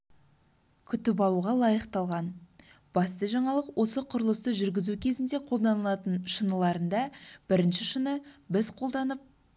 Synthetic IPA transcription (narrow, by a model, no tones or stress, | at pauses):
kʲʰʏt̪ɪp̬ɑlˠuʁɑlˠɑjəqt̪ɑlˠʁɑn | b̥ɑst̪əʒɑɴɑlˠəqwo̞səqʰʊɾəlˠəst̪əʒʏɾɡʲɪzukʲʰe̞zɪnd̪e̞qʰo̞lˠd̪ɑnəlˠɑt̪ənʃənəlˠɑɾənd̪ɑb̥ɪɾɪnʃɪʃənəbɪzqʰo̞lˠd̪ɑnəp̚